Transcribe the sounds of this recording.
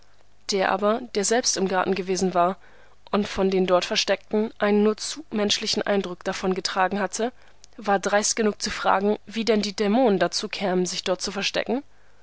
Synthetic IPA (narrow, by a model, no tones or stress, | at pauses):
d̥eːɐʔa̰ːbɐd̥eːɐzɛlpstɪmɡaɐtn̩ɡəveːzn̩vaːɐ | ʔʊntfɔndeːndɔɐtfɛɐʃtɛk̚tn̩ʔaɪnənːuːɐt͡suːmɛnʃlɪçn̩ʔa̰ɪndʁʊkd̥afɔnɡətʁ̥aːɡŋ̩hatʰə | vaːɐdʁaɪst̚ɡ̥ənuːk̚t͡sufʁ̥a̰ːɡŋ̩viːdɛndiːdɛmoːnəndat͡suːkʰɛːmənzɪçd̥ɔɐt̚t͡sufɛɐʃtɛ̰kŋ̩